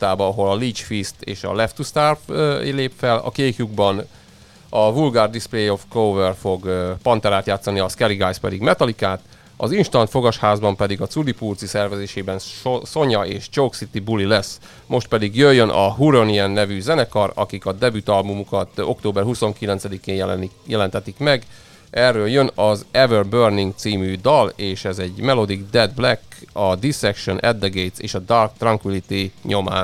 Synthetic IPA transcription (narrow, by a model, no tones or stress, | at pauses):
t̪ːaːbɒɒɦo̞lɒliːt͡ʃfist̪ḛːʃɒ̰lɛft̪ust̪arfleːpfɛlɒ̰keːkjuɡbɒn | ɒvulɡaːrd̪isplejofkovɛrfo̞ɡpɒnt̪ɛɾaːt̪jaːt̪sɒniɒskɛɾiɡaːjspɛd̪iɡmɛt̪ɒlikaːt̪ | ɒzinʃt̪ɒnt̪fo̞ɡɒʃhaːzbɒmpɛd̪iɡɒt̪sud̪ipurt̪sisɛrvɛzeːʃeːbɛnso̞ɲɒeːʃt͡ʃowksit̪ibulilɛs | mo̞ʃt̪̚pɛd̪iɡjøjːønʔɒ̰ɦuɾoniɛnːɛvyzɛnɛkɒrɒ̰kikɒd̪ɛbyt̪ɒlmumukɒt̪o̞̰kt̪oːbɛrhuso̞ŋkilɛnt̪sɛd̪ikeːnɛjɛlɛnt̪ɛt̪ikmɛɡ | ʔɛrːøːljø̞nɒzɛvørbørniŋɡt̪siːmyd̪ɒleːʃɛzɛɟmɛlo̞d̪iɡd̪ɛd̪blɛkːɒd̪isɛkʃonʔɛd̪ːɛɡejt̪sḛːʃɒd̪ɒrk̚t̪rɒŋkʋilit̪iɲo̞ma̰ːn